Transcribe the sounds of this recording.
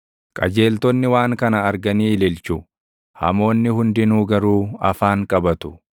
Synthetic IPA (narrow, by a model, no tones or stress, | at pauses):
kʼɐ̰d͡ʒe̞ːlt̪ɔnːɪwaːŋkɐnɐɐɾɡɐniːlɪlt͡ʃʊ | hɐ̰mo̞ːnːɪhʊnd̪ɪnuːɡɐɾuːɐ̰faːŋkʼɐbɐt̪ʊ̥